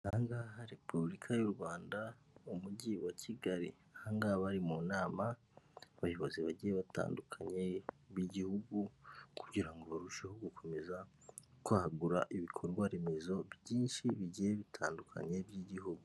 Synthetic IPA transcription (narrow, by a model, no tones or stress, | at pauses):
haŋɡaɦaɾe̞publikʰajuɾɡwaːnda | umuɟiwacʰiɡaɾḭ | haːŋɡaβaɾimunaːma | βajo̞βo̞ziβaɟijeβata̰ːndukʰaɲe̞ | βiɟihuɡukʰu̥ɟiɾaŋɡo̞βaɾuʃehoɡukʰo̞me̞zakwahaɡuɾa̰ʔiβikʰo̞ɾɡwaɾemezo̞βɟiːnʃiβiɟijeβitʰaːndukʰa̰ɲebjiɟihuɡu